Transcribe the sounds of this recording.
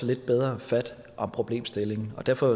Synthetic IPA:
ɒle̝d̥̚b̥eð̞ˠʁɐfæd̥ | ʔɒ̽mpʰʁo̝b̥le̝̰ːmsd̥e̝le̝ŋn̩ɒ̽d̥æɐ̰fɒ̽

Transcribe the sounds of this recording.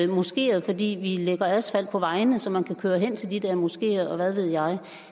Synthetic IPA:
mosɡ̥e̝̰ːɐð̞̩ˠfɒ̽d̥ḭːʋileɡ̥ɐæðˠsfæl̰pʰɒ̽ʋɑ̈ɪnəsɒ̽mænkʰækʰøːɐɦen̰t͡sʰe̝ld̥id̥eɐ̰mosɡ̥e̝̰ːɐð̩ˠɒ̽ʋæð̞ˠʋe̝ð̞̰ˠjɑ̈ɪ

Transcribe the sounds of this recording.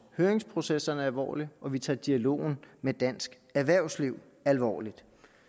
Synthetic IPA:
høːɐeŋspʰʁo̝sesɐnəæɐælʋɒ̰ːliɒ̽ʋit͡sʰɑ̰̈ːd̥iælo̝̰ːn̩med̥æn̰sɡ̥ | æɐʋæɐʊsliʊ̰ | ælʋɒ̰ːlid̥

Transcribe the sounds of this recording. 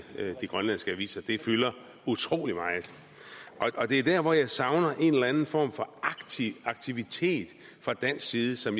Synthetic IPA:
d̥iɡ̥ʁɶnlæn̰ˠsɡ̥əʋḭːsɐd̥e̝fylɐ | ut͡sʰʁo̝̰ːlimɑ̈ːɪð̩ˠ | ʔɒ̽ɒ̽d̥e̝æɐd̥æɐ̰ʋɒjɑ̈ɪsɑ̈ʊnɐʔe̝nelænn̩fɒ̰ːmfɒ̥̽ | ɑ̈ɡ̥̚t͡sʰiʋit͡sʰe̝̰ːd̥ | fʁɑ̈d̥æn̰sɡ̥siːðˠəsɒ̽m

